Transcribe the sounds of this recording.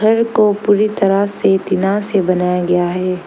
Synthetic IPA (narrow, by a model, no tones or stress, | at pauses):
ɐɾkopuːɾit̪ɐɾaset̪ɪnasebɐnaːjaɡɐjaɦɛː